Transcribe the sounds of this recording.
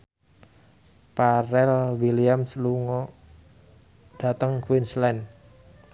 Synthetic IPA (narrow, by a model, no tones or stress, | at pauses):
paɾɛlwiliamsluŋɔ | d̥a̤t̪əŋkwinslɛn